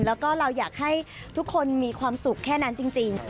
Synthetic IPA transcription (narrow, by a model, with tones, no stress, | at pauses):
lɛː˦˥wkɔː˥˩ɾa˧wjaː˨˩k̚ha˥˩j | t̪ʰu˦˥kʰːo˧nmiː˧kʰwaː˧msu˨˩kʰːɛː˥˩na˦˥nt͡ɕi˧ŋt͡ɕi˧ŋ